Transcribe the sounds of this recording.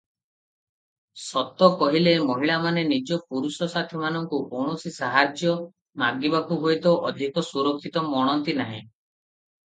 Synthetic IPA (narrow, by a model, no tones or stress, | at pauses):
sɔt̪ːɔkɔɦilemɔɦiɭamanenid͡ʒɔpuɾusɔsat̪ʰimanɔŋkukoɳ̃ɔsisaɦaɾd͡ʒjɔ | maɡibakuɦojt̪ɔʔɔd̪ʱikɔsuɾɔkʰːit̪ɔmɔɽ̃ɔnt̪inaɦḭ̃